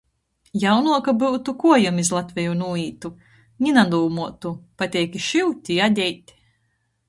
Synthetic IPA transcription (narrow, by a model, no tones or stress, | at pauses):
jawnuɔkabɨwt̪ukuɔjamizlˠat̪vʲɛjunuːiːt̪u | ɲʲinad̪uːmuɔt̪upat̪ʲɛjkʲiʃiwt̪ʲiad̪ʲɛjt̪ʲ